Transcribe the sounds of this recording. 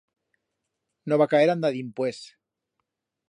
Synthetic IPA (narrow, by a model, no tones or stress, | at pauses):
noβakaeɾand̪aðimpwes